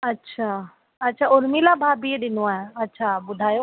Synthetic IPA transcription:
ɐtːʃʰaː | ɐtːʃʰaːʊɾmilabʱaːbieɗɪnoãɐtːʃʰaːbʊd̪ʱaːjo

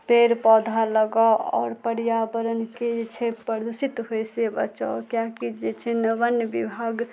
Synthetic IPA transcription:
peɾpɔd̪ʱaləɡaɔ̰ːɾpəɾijabəɾənked͡ʒet͡ʃʰepəɾd̪usit̪ɦojsebə̰t͡ʃa̰kjakid͡ʒet͡ʃʰɛnəbənbibʱaɡ

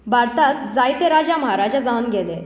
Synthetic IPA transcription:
bʱaɾt̪at̪̚d͡zajt̪eɾad͡ʑaməɦaɾad͡ʑad͡zaunɡele

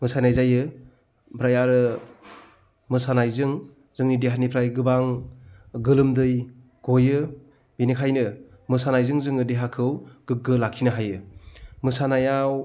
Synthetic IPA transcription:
mɯsanajzajɯ | pʰɾajaɾɯ | mɯsanajzɯŋ | zɯŋnideɦanipʰɾajɡɯbaŋ | ɡɯlɯmdɯj | ɡ̥ojɯ | binikʰajnɯ | mɯsanajzɯŋzɯŋɯdeɦakʰɯwɡ̥ɯɡɯlakʰinɯɦajɯmɯsanajaw

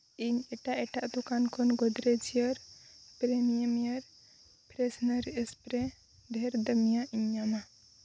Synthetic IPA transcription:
iɲɛʈaʔɛʈaʔd̪ukankʰɔnɡɔd̪ɾɛd͡ʒiəɾpɾɛmijəmijəɾ | pɾɛsnəɾspɾɛ | d̪ʱɛɾd̪əmijaʔiɲːama

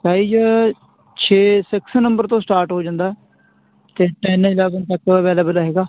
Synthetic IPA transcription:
saːiːd͡ʒə | t͡ʃʰeːsɪksnə̃mbəɾt̪õːsʈaːɾʈɦoːd͡ʒãːnd̪aːɛː | t̪eːʈɛːnːɪlaːɡənt̪əkəʋeːləːbəlɦeːɡaː

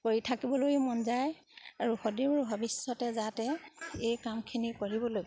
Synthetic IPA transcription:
koɹitʰakibɔlojmɔnzaj | aɹuxɔdibʊɹbʱɔbisɔtɛzatɛejkamkʰinikoɹibɔloj

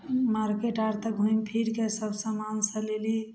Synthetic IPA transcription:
maɾkeʈaɾt̪əkɦujmpʰiɾkesəbsə̃mansə̃leli

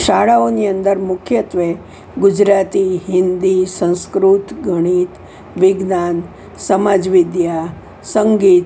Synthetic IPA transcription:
ʃaɽaoniənd̪əɾmʊkʰjət̪ʋe | ɡud͡ʒɾat̪iɦɪnd̪isə̃w̃skɾut̪ɡʱəɽ̃iːt̪ | ʋɪɡnan | səmad͡ʒʋid̪ja | səŋɡiːt̪

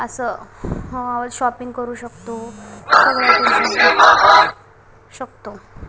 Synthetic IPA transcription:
əsəməaʋəd͡zɕɔpiŋɡkəɾuːɕəkt̪osəɡɭək̪uə | ɕəkt̪o

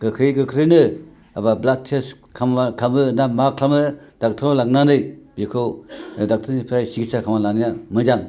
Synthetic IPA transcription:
ɡ̥ɯkʰɾɯjɡɯkʰɾɯnɯ | abablat̚tʰes | kʰamakʰamɯnamakʰamɯd̥ak̚tʰalak̚nanɯjbikʰɯwdak̚tʰɯnipʰɾajsiɡisakʰamalanijamɯd͡ʒaŋ

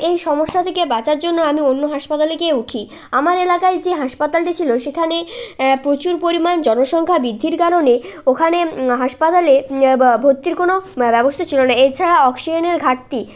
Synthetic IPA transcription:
ejʃɔmoʃːat̪ʰekebat͡ɕaɾd͡ʑonːoamionːoɦaʃpat̪alekeuʈʰi | amaɾelakaed͡ʑeɦaʃpat̪alʈit͡ɕʰiloʃekʰanepɾot͡ɕuɾpoɾimand͡ʑɔnoʃɔŋkʰabid̪ʱːiɾkaɾoneokʰaneɦaʃpat̪alebʱot̪ːiɾkonobɛbost̪ʰat͡ɕʰilonaet͡ɕʰaɽaɔksid͡ʑoneɾɡʱaʈt̪i

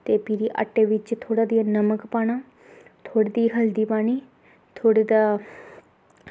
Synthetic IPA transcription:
t̪eːpiːɾiːʔa̰ʈːeːʋɪt͡ʃt̪ʰoːɽaːd̪iːãnəməkpaːnaː | t̪ʰoːɽeːd̪iːɦəld̪iːpaːniː | t̪ʰoːɽeːd̪aː

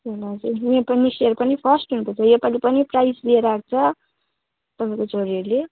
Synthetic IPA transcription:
elad͡zunepʌnisiʌɾupʌnipʰʌsʈɦuñupʌt͡sʰʌjopalipʌniprajslieɾʌak̚t͡sʰʌ | t̪ʌpãj̃kot͡sʌɾiʌɾle

